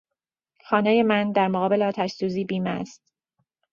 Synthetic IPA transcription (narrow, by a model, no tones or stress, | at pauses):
xɒːnæjemænd̪æɾmoɣɒːbe̞leɒːt̪ʰæʃsuːziːbiːmæ̰st̪